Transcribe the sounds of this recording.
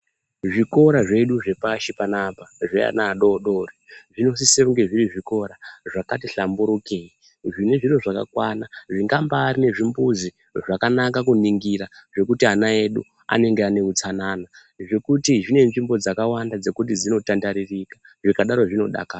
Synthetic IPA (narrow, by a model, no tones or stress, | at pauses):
ʐiko̞ɾaʐe̞ɗuʐe̞paʃipanapaʐea̰naːɗoɗoreʐino̞s̬iseuŋɡe̞ʐiriʐiko̞ɾaʐakatiɬambuɾukei | ʐine̞ʐiɾo̞ʐaka̰kwanaʐiŋɡambaːrine̞ʐimbuzi | ʐakanakakuniŋɡiɾaʐe̞kutianae̞ɗṵ | a̰ne̞ŋɡeane̞ut͡sanaːna | ʐe̞kutiʐine̞nʐimbo̞d͡zakawandad͡ze̞kut̬id͡zino̞tandaɾirika | ʐikaɗaɾo̞ʐino̞ɗa̰kaː